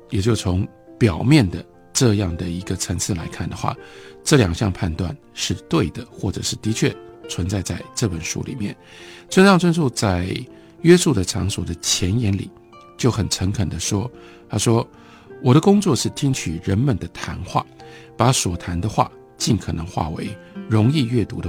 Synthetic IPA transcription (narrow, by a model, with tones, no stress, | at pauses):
jɛ˨˩t͡ɕjo˥˩ʊt͡sʰʊ˧˥ŋ | pjɑ˨˩ʊmjɛ˥˩nd̪ə˩ | ʈ͡ʂɤ˥˧jɑ˥˩ŋd̪ə˩i˧˥ɡə˧ʈ͡ʂʰə˧˥ŋt͡sʰɹ̩˥˩la˧˥ɪkʰa˥˩nd̪ə˩xwa̰˥˩ʈ͡ʂɤ˥˩ljɑ˨˩ŋɕjɑ̰˥˧ŋpʰa˥˧nt̪wa̰˥˧n | ʂɻ̩˥˧t̪we˥˩ɪd̪ə˩xwɔ˥˩ʈ͡ʂɤ˨˩ʂɻ̩˥˩t̪i˧˥t͡ɕʰɥɛ˥˩t͡sʰwə˧˥nt͡sa˥˧ɪt͡sa˥˧ɪʈ͡ʂɤ˥˩pə˨˩nʂṵ˥lḭ˨˩mjɛ̰˥˩n | t͡sʰwə˥nʂɑ˥˧ŋt͡sʰwə˥nʂu˥˧t͡sa˥˩ɪ | ɥɛ˥su˥˩d̪ə˩ʈ͡ʂʰɑ̰˧˥ŋswɔ˨˩d̪ə˦t͡ɕʰjɛ˧˥njɛ˧˥nlḭ˨˩˦ | t͡ɕjo˥˩ʊxə˨˩nʈ͡ʂʰə˧˥ŋkʰə˨˩d̪ə˦ʂwɔ˥ | t̪ʰa˥ʂwɔ˥ | wɔ˨˩ɾə˦kʊ˥ŋt͡swɔ˥˧ʂɻ̩˥˩t̪ʰi˥ŋt͡ɕʰy˨˩ɻə˧˥nmə˨˩nd̪ə˩t̪ʰa˧˥nxwa̰˥˩ | pa˧˥swɔ˨˩t̪ʰa˧˥nd̪ə˧xwa̰˥˩ | t͡ɕi˥˩nkʰɤ˨˩nɤ˧˥ŋxwa̰˥˩we˧˥ɪ | ɻʊ˧˥ŋi˥˧ɥɛ˥˩t̪u˧˥d̪ə˧